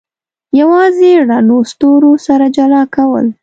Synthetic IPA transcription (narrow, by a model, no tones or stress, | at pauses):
jawɑzeɽanost̪oɾosaɾad͡ʒalɑkawə̰l